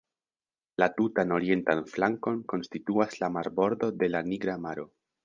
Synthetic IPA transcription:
latutano̞ɾie̞ntanflaŋko̞nko̞nstituaslamaɾbo̞ɾdo̞de̞laniɡɾamaɾo̞

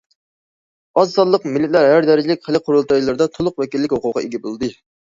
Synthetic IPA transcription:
ɑzsɑllˠəqmɪlːɪt̪læɾɦæɾd̪ɛɾɪd͡ʒilɪkʲχəlɪqʰoɾulˠt̪ɑjlˠɨɾd̪ɑt̪ʰolˠʊqwɛkʲilːɪkʲhoqʊqːɑ̰eɡʲɛbolˠd̪ɨ

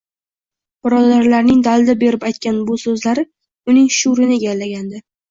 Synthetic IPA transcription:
b̥ɪɾɒd̪aɾlaɾnɪŋd̪alˠd̪abe̞ɾɪpajt̪̚kʲanbʊsɵzlaɾɪ | ʊnɪŋʃʊɾɪnɪeɡʲallːaɡʲand̪ɪ

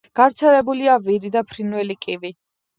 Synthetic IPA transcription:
ɡ̥avɾt̪sʰɛlɛbuliaviɾid̪apʰɾinwɛlikʼivi

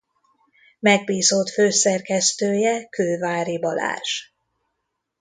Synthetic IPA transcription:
mɛɡ̚biːzot̪føːsɛrkɛst̪øːjɛkøːvaːɾibɒla̰ːʃ

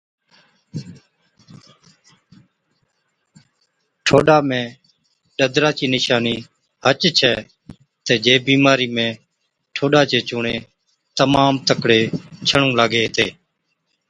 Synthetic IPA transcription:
ʈʰoːɗaːmẽː | ɗəd̪ɾaːt͡ʃiːnɪʃaːniː | hət͡ʃt͡ʃʰɛː | t̪eːd͡ʒeːbiːmaːɾiːmẽː | ʈʰoːɗaːt͡ʃeːt͡ʃʊːɳẽː | t̪əmaːmt̪əkɽeːt͡ʃʰəɳũːlaːɡeːɦt̪ḛː

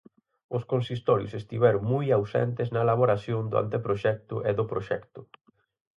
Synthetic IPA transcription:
ʊskõnsist̪ɔɾjʊ̰sest̪iβɛɾʊŋmujawsɛ̰nt̪eznɐelaβoɾasjoŋd̪ʊa̰nt̪epɾoʃɛk̚t̪ʊʔeðʊpɾoʃɛkt̪ʊ

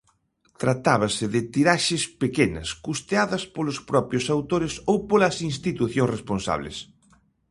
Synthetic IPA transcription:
t̪ɾat̪aβ̞ɐsɪðɪt̪iɾaʃɪspekenɐ̰skust̪eaðɐspolʊspɾɔpɾjʊsawt̪oɾɪsowpolɐsinst̪it̪uθjõŋsresponsa̰β̞lḛs

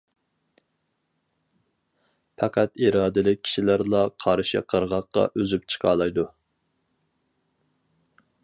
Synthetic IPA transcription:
pʰɑqʰæt̪iɾɑːd̪ɪlɪk̚ʲʰːi̥ʃilæɾlˠɑqʰɑɾɨʃɪ̰qʰəɾʁɑqːɑ̰ʔøzyp̚t͡ʃʰə̥qʰɑːlˠɑjd̪u

